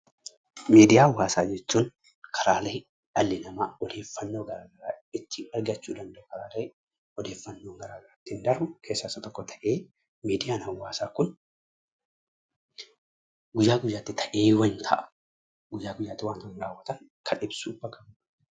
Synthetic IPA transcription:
meːd̪ɪjaːwːaːsaːd͡ʒɛt͡ʃːuːn | kʰɐɾaːlɐj | ᶑɐlːɪnɐmɐɔd̪e̞ːfːɐnːo̞ːɡɐɾaːɡɐɾaːɪt̪ːɪɐɾɡɐt͡ʃːuːd̪ɐnd̪ɐʔʊkɐɾaːlɐ | ɔd̪e̞ːfːɐnːo̞ːɡɐɾaːɡɐɾat̪ːɪɪnd̪ɐɾbʊkʰe̞ːsːɐɪsːɐt̪ɔkːɔt̪ʰɐ̥ʔe̞ː | miːd̪ɪjaːnɐwːaːsaːkʊn | ɡʊjaːɡʊjːaːt̪ːɪt̪ʰɐʔe̞ːwɐnt̪ʰɐ̰ʔɐ̥ | ɡʊjːaːɡʊjːaːt̪ːɪwaːnt̪ɐnɾaːwːɐt̪ɐn | kʰɐᶑɪbsuːbɐkɐm

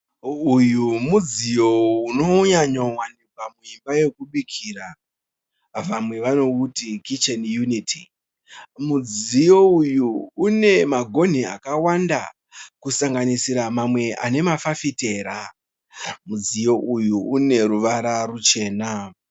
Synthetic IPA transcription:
ujumud͡zijo̞uno̞ɲaɲowandikwamuimbaje̞kuɓikʰiːra | ʋamwe̞ʋano̞utikit͡ʃenjunitʰi | mud͡zijo̞ujuːne̞maɡʱo̞n̤ia̰kawanda̰ | kusaŋɡanisiɾamamwe̞ʔa̰ne̞mafafite̞ːɾa | mud͡zijo̞ʔujuːne̞ɾuʋaɾarut͡ʃe̞ːna

